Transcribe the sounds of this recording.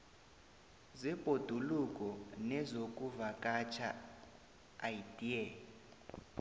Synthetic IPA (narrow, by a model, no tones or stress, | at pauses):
zib̥ʱod̥ʱulukʼɔnɛzokʼuvakʼat͡ʃʰa | aidiɛ